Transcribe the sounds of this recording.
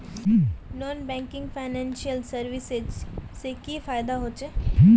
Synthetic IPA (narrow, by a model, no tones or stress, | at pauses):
nɔːnbɛ̃ːŋkɪ̃ŋɡfʰaːɪnɛ̃ːnʃijəlsɐɾʋɪsezsekifaːjd̪aɦoːt͡ʃeː